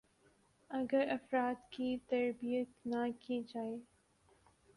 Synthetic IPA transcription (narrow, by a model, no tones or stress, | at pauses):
ɐɡəɾɐfɾaːt̪kit̪ɐɾbijət̪nakid͡ʒaːe